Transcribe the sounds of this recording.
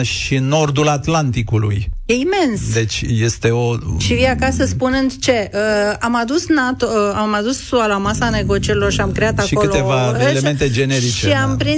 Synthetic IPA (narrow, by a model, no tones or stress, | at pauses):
ʃiɨnːo̞rd̪ulat̪lant̪ikulṵjje̞ime̞nsd̪e̞t͡ʃʲje̞st̪e̞o̞ʃiviakasəspunɨnd̪t͡ʃe̞ʔəamad̪usnat̪oamad̪usːualamasane̞ɡo̞t͡ʃieɾilo̞rʃiamkɾeat̪akʃiokɨloevaeleme̞nt̪e̞d͡ʒe̞ne̞ɾit͡ʃeiampɾi